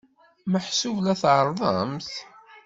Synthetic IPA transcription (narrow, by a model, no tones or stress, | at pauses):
məħsuvlæθʕəɾˤðˤɑmθ